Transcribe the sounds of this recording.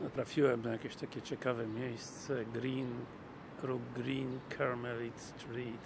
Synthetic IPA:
nəp̪ɾafjuɛmnɛakiʃt̪ɛkɛt͡ʃɛkavɛmjɛst͡sɛɡɾin | kɾuɡɾinkʰɛɾmɛlit̪st̪ɾit̪

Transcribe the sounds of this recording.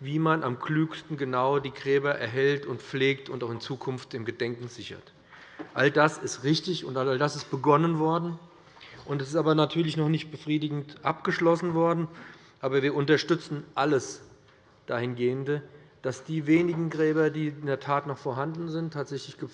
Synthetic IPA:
viːmanʔamkʰlyːkstn̩ɡənaʊdiːɡʁɛːbɐʔɛ̰ɐɦɛltʊntp͡fleːktʰʊntaʊxɪnt͡suːkʰʊnftɪmɡədɛŋkŋ̩zɪçɐ̰t | ʔaldasɪstʁɪçtɪçʊntʔalaldasɪst̚b̥əɡɔnənvɔɐdn̩ | ʔʊntɛs̬ɪstaːbɐnatʰyːɐlɪçnɔχnɪçt̚b̥əfʁ̥iːdɪɡŋ̩tʔap̚ɡ̥əʃlɔsn̩vɔɐdn̩ | ʔaːbɐviːɐʊntɐʃtʏt͡sn̩ʔaləs | d̥aːhɪnɡeːəndəd̥asd̥iːveːnɪɡŋ̩ɡʁɛːbɐdiːɪndeɐtʰaːtnɔχfoːɐɦandn̩zɪntʰːaːtz̥ɛçlɪçɡ̥ə

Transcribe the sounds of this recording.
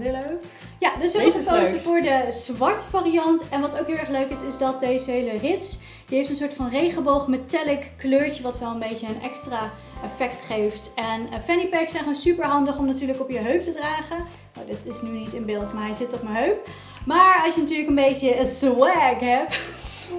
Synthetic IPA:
jadøsəosəfʊːɹdəz̥ʋɑɹtfaːriɑntɛnʋɑtowkɦɪlˠɛɹχløɥkɪsɪzdɑt̚dejzəɦejlərɪts | jəɦejftənsʊːɹtfɑnrejχəbowχmətɛlɪkkløːɹt͡ʃəʋɑtʋɛlˠənbejtəənɛ̰kstraː | ʔɛfɛktχejftɛnfɛnipɛksɛ̃jχonsypəɹɦɑndəχɔmnatyːɹləkɔpjəɦøɥp̚tədraːχə | no̰wdɪtɪsnynitənbɪːlˠtmaɹɦɛjzɪtɔχmaɦøɥp̚ | maːɹɑlˠʃjənatyːɹləkənbejtəəzwɛkɦɛp

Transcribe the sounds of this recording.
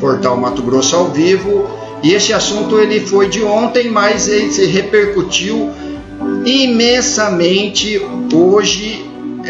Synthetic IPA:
poɾt̪awmat̪ʊɡɾosʊawvivʊ | ɪesɪasũnt̪ʊelɪfojd͡ʒɪõnt̪ẽj̃mɐjzelɪsɪɦepeɾkut͡ʃiw | imẽsɐmẽnt͡ʃɪoʒɪ

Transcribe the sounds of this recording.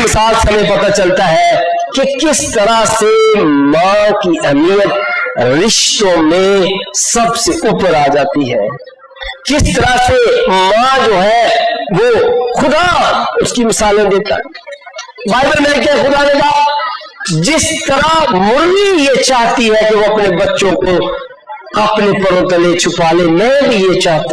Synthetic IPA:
mɪsaːlseɦɐmẽpɐt̪at͡ʃɐlt̪aɦɛ | kekɪst̪ɐɾasemãkiʔɛɦmijət̪ɾɪʃt̪õmẽsɐbseʊpɾaːd͡ʒaːt̪iɦɛ̰ː | kɪst̪ɐɾasemãd͡ʒoːɦɛʋoxʊd̪aʊskimɪsaːlẽd̪eːt̪a̰ɦɛ | baːɪbəlmɪlɪkeɦɛxʊd̪anebaː | d͡ʒɪst̪ɐɾamʊɾlijet͡ʃaːɦt̪iɦɛkeoɐpnebɐtːʃõko | ɐpnepɐɾõt̪əlet͡ʃʰʊpaːlemɛ̃bʱijet͡ʃaːɦt̪a

